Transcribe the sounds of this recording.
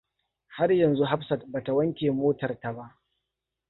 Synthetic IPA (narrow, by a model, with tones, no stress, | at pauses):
ha˦rjɐ˨nzu˦ɦa˦ɸsɐ˨t̚ba˨ta˨wɐ˦ŋkʲeː˨moː˦tɐ˨rta˨ba˦ʔ